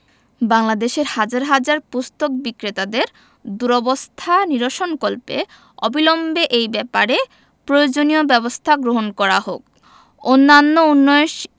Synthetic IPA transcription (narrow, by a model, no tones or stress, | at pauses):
baŋlad̪eʃeɾhad͡ʑaɾɦad͡ʑaɾpust̪ok̚bikɾet̪ad̪eɾ | d̪uɾɔbost̪ʰaniɾoʃonkolpḛ | ɔbilombʱeʔejbɛpaɾe | pɾojod͡ʑoniobɛbost̪ʰaɡɾoɦonkɔɾaɦo̰k̚ | onːanːounːɔʃ